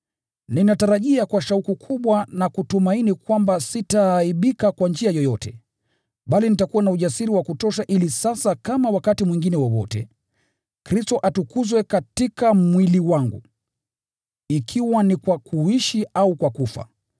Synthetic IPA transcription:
ninataɾaʄiakwaʃaukukʰuɓwanakutumainikwambasitaːiɓikakwand͡ʒiajɔjɔtɛ | ɓalinitakuwanauʄasiɾiwakutɔʃaʔilisasakamawakatimwiŋɡinɛwɔwɔ̰tɛ̰ | kɾistɔʔatukuzwɛkatikamwiliwaŋɡṵ | ikʰiwanikwakʰuiʃiaukwakufa̰

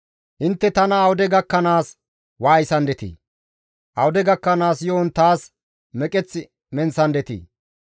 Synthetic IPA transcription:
ʔɪnt̪ːɛt̪ɐnɐːwʊd̪ɛɡɐkːɐnaːs | waːjɪsɐnd̪ɛt̪ḭː | ʔɐwʊd̪ɛɡɐkːɐnaːsjoːnt̪aːs | mɛkʼɛt͡sːɪ | mɛnsɐnd̪ɛt̪ḭː

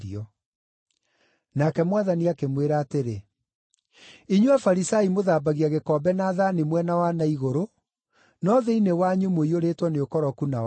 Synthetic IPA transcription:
iɔ | nakɛmwaðaniakemweɾaːteɾe | iɲwafaɾisaimoðaːbaɣiaɣekɔːbɛnaːðanemwɛnawanaiɣoɾo | nɔðɛinewaɲumoioɾetwɔneokɔɾɔkunaw

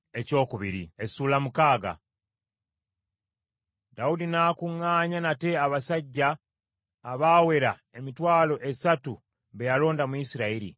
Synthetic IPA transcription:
e̞co̞ːkuβiɾiesuːlamukaːɡa̰ | daudinaːkuŋːaːɲanate̞aβasaɟːaː | βaːwe̞ɾae̞mitwaːlo̞ʔe̞satu | βe̞jalo̞ːndamuisiɾaiɾḭ

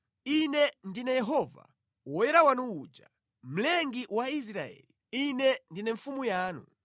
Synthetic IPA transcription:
inɛndinɛjɛɦɔva̰ | wɔjɛɾawanuud͡ʒa | m̩lɛŋɡiwais̬ɾaɛ̰li | inɛndinɛɱfumujaːnṵ

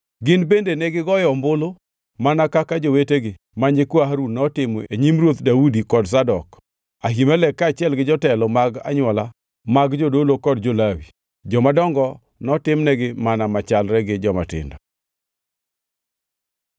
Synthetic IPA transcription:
ɡɪnbendenɛɡɪɡɔjɔmbʊlo | manakakad͡ʒoweteɡɪ | maɲɪkwaɦaɾunɔtɪmɔeɲimrwot̪daudikɔdsadɔk | aɦimalɛkːat͡ʃɪɛlɡɪd͡ʒɔtɛlɔmaɡa̰ɲwɔla | maɡd͡ʒodolokɔd̚d͡ʒolawi | d͡ʒɔmadɔŋɡɔ | nɔtɪmnɛɡɪmanamat͡ʃalɾɛɡɪd͡ʒɔma̰tɪ̰ndɔ

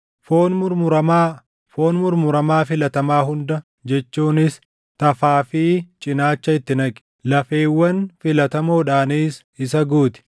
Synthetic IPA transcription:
foːnmʊɾmʊɾɐmaː | foːnmʊɾmʊɾɐmaːfɪlɐt̪ɐmaːɦʊnd̪ɐ | d͡ʒɛt͡ʃːuːnɪs | t̪ɐfaːfiːt͡ʃʼɪnaːt͡ʃːɐɪt̪ːɪnɐkʼɪ̥ | lɐfe̞ːwːɐnfɪlɐt̪ɐmoːᶑaːniːs | ɪsɐɡuːt̪ɪ̥

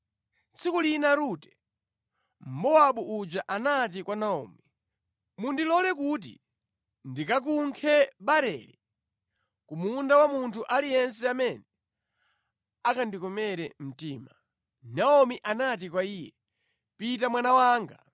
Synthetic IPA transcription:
t͡sikulinaɾutɛ | m̩bɔaɓuʔud͡ʒaʔanat̬ikwanaɔ̰ːmi | mundilɔlɛk̬ut̬ḭ | ndikak̬uŋkʰɛɓaɾɛ̰li | kumundawamuntʰuʔalijɛnsɛamɛnɛ | akandikɔmɛɾɛm̩tiːma | naɔmiʔanat̬ikwaiːjɛ | pitamwanawaːŋɡa

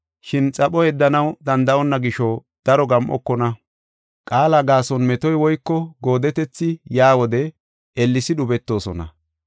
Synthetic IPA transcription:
ʃɪnt͡sʼɐpɔɛd̪ːɐnɐwd̪ɐnd̪ɐɔnːɐɡɪʃɔ | d̪̥ɐɾɔɡɐmʔɔ̰kːɔnɐ | kʼaːlaɡaːsɔnmɛt̪ɔjwɔjkːɔɡo̞ːd̪ɛt̪ɛt͡sːɪjaːwɔd̪ɛ | ɛlːɪsɪɗʊbɛt̪ːo̞ːsɔ̰nɐ̰

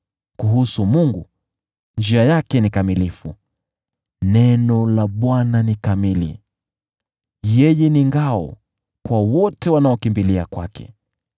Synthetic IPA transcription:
kuɦusumuŋɡu | nd͡ʒiajakɛnikamilifu | nɛnɔlaɓwananikamilḭ | jɛjɛniŋɡaɔ̰ | kwawɔtɛwanaɔkimbilia̰kwa̰kʰɛ̰

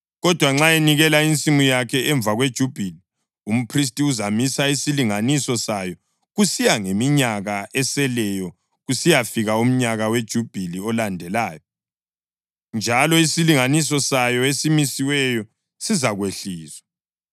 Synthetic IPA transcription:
ɣɔd̥ʱwaŋ͡ǁaeniɣɛlaint͡sʼimujakʰɛɛɱbvʱaɣwed̥ʒ̥ʱub̥ʱili | um̩pʰris̬tʼiuzamisaisiliŋanisɔsajɔ | ɣusijaŋemiɲaɣaɛsɛlɛjɔ | ɣusijafiɣaum̩ɲaɣawed̥ʒ̥ʱub̥ʱiliɔlandʱɛlaːjɔ | nd͡ʒʱalɔisiliŋanis̬ɔsajɔesimisiwɛjɔ | sizaɣweɬiːzwa

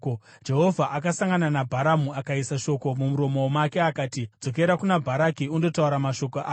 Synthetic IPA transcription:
d͡ʒe̞ɦo̞vʱaʔakasaŋɡananabʱaɾamuakaisaʃo̞ko̞mumuɾo̞momake̞akaːtid͡zo̞k̬e̞ɾakunabʱaɾakiundo̞tauɾamaʃo̞koʔaː

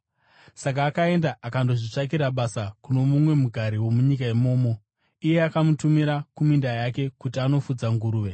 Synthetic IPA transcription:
sakaːkae̞ndaʔakandoʐit͡ʂak̬iɾaɓasakuno̞mumwe̞muɡʱaɾiwo̞muɲikaemo̞ːmo̞ | ije̞akamutumiɾakumindajake̞kutiano̞fud͡zaŋɡuɾuːʋe̞

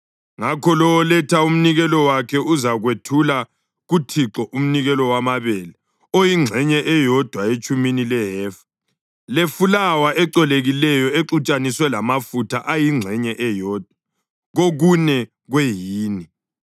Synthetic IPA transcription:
ŋakʰɔlɔwɔlɛtʰaum̩niɣɛlɔwakʰɛuzaɣwetʰula | ɣutʰiǁɔʔum̩niɣɛlɔwamaβɛlɛ | ojiŋ͡ǁʱɛɲɛʔɛjɔd̥ʱwaet͡ʃʼuminilɛɦɛːfḁ | lefulawaʔɛǀɔleɣilɛjɔeǁut͡ʃʼaniswɛlamafutʰaʔajiŋ͡ǁʱɛɲɛʔɛjɔːd̥ʱwa | ɣoɣunɛ | ɣwejiːni

